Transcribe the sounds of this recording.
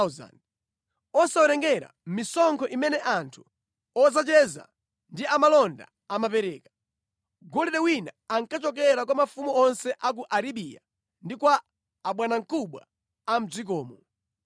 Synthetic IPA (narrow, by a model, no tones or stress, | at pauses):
za̰n | ɔsawɔɾɛŋɡɛɾa̰m̩misɔŋkʰɔʔimɛnɛʔantʰu̥ | ɔzat͡ʃɛza̰ | ndiamalɔnda̰ | amapɛɾɛːkḁ | ɡɔlɛɗɛwinaːŋkat͡ʃɔk̬ɛɾak̬wamafumuɔnsɛʔak̬uʔaɾiɓija | ndikwaː | ɓwanaŋ̩kʰuɓwa | am̩zik̬ɔːmɔ